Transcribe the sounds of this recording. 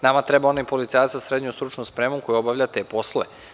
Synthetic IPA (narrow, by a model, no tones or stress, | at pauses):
namat̪ɾebaonaipo̞lit̪saːjat̪sasɾed̪ɲust̪ɾut͡ʃnuspɾemuko̞jobaʋʎʲat̪e̞ːpo̞slˠoʋe